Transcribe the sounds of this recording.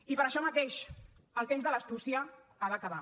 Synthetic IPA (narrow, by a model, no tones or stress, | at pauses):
ipəɾəʃɔmət̪eʃəlˠt̪emzðələst̪usiəːβaːkəβa